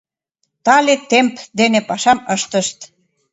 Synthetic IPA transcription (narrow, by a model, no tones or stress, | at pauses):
t̪ɑlʲet̪empd̪enepɑʃɑməʃt̪əʃt̪